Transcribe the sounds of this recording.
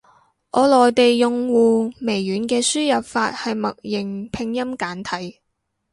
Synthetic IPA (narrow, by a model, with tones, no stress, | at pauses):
ʔɔː˨˧lɔː˨jt̪e˨jːʊ˨ŋwuː˨me˨˩jːyː˨˥nkɛː˧syː˥jɐ˨p̚faː˧t̚hɐ˨jmɐ˨k̚jɪ˨˩ŋpʰɪ˧ŋjɐ˥mkaː˨˥nt̪ʰɐ˨˥j